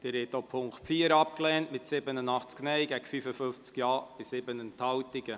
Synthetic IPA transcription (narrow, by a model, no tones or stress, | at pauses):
d̥ɪɾhɛtopʰʊŋktfiːəɾɑp̚klɛːntmɪtsɪbənənɑχt͡sknɛjɡæɡəfyfəfʏnft͡skjɑːb̥ɪsɪbənənthɑwtɪɡə